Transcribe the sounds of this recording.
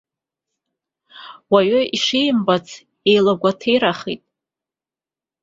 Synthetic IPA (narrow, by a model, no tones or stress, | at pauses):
waɥʏʔiʂejmbat͡sʰ | ejlaɡʷatʰejɾaχḭtʼ